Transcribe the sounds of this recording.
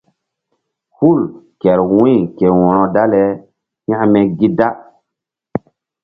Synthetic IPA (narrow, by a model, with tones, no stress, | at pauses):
hu˦˨lkɛ˨ɾwĩ˦˨ke˨wɔ̃˨ɾɔ̃˨da˦lɛ˦ | jã˦mɛ˦ɡi˦da˦